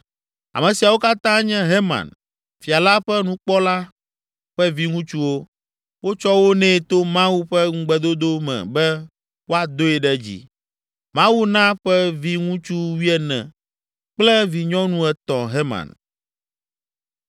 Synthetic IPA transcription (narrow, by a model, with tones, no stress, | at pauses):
a̰˨mɛ̃˨si˨a˨wo˦ka˦t̪ã˦ɲɛ̃˦ɦe˦mã̰˨n | fi˨a˨la˦ɸɛ˦nũ˦k͡pɔ˦la˦ | ɸɛ˦vi˦ŋũ˦t͡ʃu˦wo˦ | wo˦t͡ʃɔ˦wo˦nɛ̃˦˨t̪o˦mã˦wu˦ɸɛ˦ŋ̩˦ɡ͡bɛ˨d̪o˦d̪o˦mɛ̰̃˨bɛ˦ | wo˦a˨d̪o˦ɛ˨ɖɛ˦d͡ʑḭ˨ | mã˦wu˦nã˦ɸɛ˦vi˦ŋũ˦t͡ʃu˦wi˦ɛ˨nɛ̰̃˨ | k͡plɛ˦vi˨ɲɔ̃˦nũ˦ɛ˨t̪ɔ̃˨ɦe˦mã̰˨n